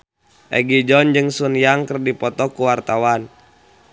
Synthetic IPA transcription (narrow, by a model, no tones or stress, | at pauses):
ʔɛ̰ɡid͡ʒɔnd͡ʒɨŋsunjaŋkərdipɔt̪ɔkuwart̪awan